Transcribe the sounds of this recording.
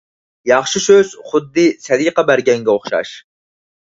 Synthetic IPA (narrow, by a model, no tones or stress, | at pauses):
jɑχʃisøz̥χʊd̪ːɨsɛd̪iqɑbæɾɡʲɛŋɡʲɛoχʃɑ̰ʃ